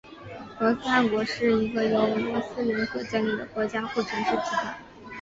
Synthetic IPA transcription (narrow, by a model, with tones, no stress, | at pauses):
kɤ˧˥s̩˥a˥˩nkwɔ˧˥ʂɻ̩˥˩i˧˥ɡə˧jo˧˥ʊ˩li˧˥sɹ̩˥˩li˧˥nkɤ˨˩ʈ͡ʂa˥nli˥˩d̪ə̰˩kwɔ˧˥t͡ɕja˥xu˥˩ʈ͡ʂʰə˧˥ŋʂɻ̩˥˩t͡ɕ̪ʰi˧˥˩ta˥˩˦